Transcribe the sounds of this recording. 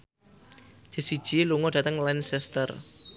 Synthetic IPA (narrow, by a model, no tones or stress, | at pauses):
d͡ʒ̥ə̤sid̥ʒ̥iluŋɔɖat̪əŋlansɛst̪ər